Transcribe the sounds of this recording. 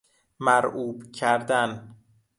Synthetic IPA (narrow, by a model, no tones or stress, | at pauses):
mæɾuːbcʰæɾd̪æn